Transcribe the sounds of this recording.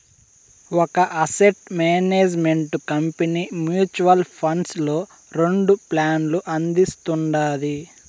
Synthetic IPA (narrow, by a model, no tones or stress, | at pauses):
wɔkɐʔɐseʈmeːneːd͡ʒmeɳʈkɐmpeniːmjuːt͡ʃuʋɐlpʰɐɳɖslo̞ː | ɾe̞ɳɖuplaːnluʔɐnd̪ist̪uɳɖaːd̪i